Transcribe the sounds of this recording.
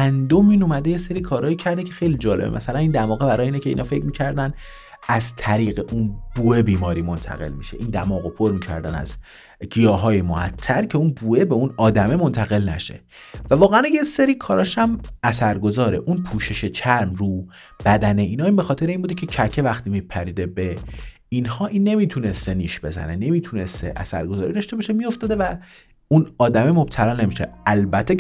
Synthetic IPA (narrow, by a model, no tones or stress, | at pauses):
ænd̪omiːnomæd̪e̞jese̞ɾikʰɒːɾɒːjicʰæɾd̪ecʰe̞̥xe̞jlid͡ʒɒːle̞bḛmʔæ̰sælæniːnd̪æmɒːɣebæɾɒːjeiːnecʰeḭːnɒfe̞cʰmiːcʰæɾd̪ænd̪ | æzt̪ʰæɾiːɣe̞ʔunb̥uːebiːmɒːɾiːmo̞nt̪ʰæ̰ɣe̞̰lmḭʃe̞ʔiːnd̪æmɒːɣo̞pʰoɾmiːcʰæ̰ɾd̪æ̰næ̰z | ɡijɒːɦɒːjemohæ̰t̪ʰːæɾcʰe̞unbue̞beunɒːd̪æme̞mo̞nt̪ʰæɣe̞lnæ̰ʃe̞̰ | vævɒːɣeænjeseɾiːkʰɒːɾɒːʃæmæsæɾɡo̞zɒːɾe̞̰ʔunpʰuːʃe̞ʃet͡ʃʰæɾmru | b̥æd̪æne̞iːnɒːimbexɒːt̪e̞ɾeinbuːd̪ecʰe̞cʰæcʰevæxt̪imiːpʰæɾiːd̪e̞be̞ | inhɒːʔiːnːe̞mit̪ʰune̞st̪e̞niːʃb̥e̞zæ̰ne̞ne̞miːt̪ʰune̞st̪ḛʔæ̰sæ̰ɾɡozɒːɾiːd̪ɒʃt̪ebɒːʃe̞mio̞ft̪ɒːd̪e̞væ | unɒːd̪æme̞mo̞b̥̚t̪ʰælɒːne̞miʃḛælbæt̪ʰːe